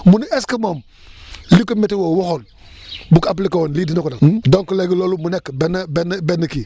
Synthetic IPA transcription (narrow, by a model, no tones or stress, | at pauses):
munieskəmom | likometiwowoxol | bukap̬likawonlidinakodadoŋkuleɡiloːlumunekbenbenbenːəki